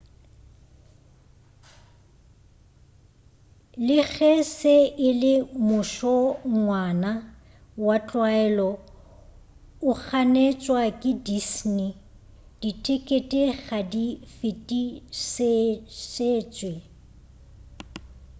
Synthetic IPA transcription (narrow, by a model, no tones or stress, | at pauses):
lɪɣʰɛseʔɪlɪmʊʃɔŋwana | wat͡ɬʼwaɛlɔ | ʊk͡xʰanet͡ʃʼwakʼɪdisni | d̥itʼekʼetʼeɣadifɪtʼiseseːt͡ʃʼwe